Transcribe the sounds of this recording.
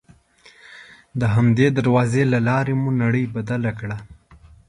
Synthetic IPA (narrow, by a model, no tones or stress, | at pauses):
d̪əɦamd̪ed̪aɾwɑzelalɑɾemunaɽəjbad̪alakɽa